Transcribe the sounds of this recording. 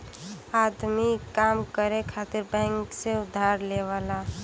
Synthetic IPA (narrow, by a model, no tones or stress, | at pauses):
ad̪mikamkəɾekʰat̪iɾbɛ̃ŋkseʊd̪ʱaɾleʋala